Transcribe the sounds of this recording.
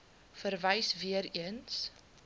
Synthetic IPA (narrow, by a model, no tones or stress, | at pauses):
fərvɛjsviəɾiəns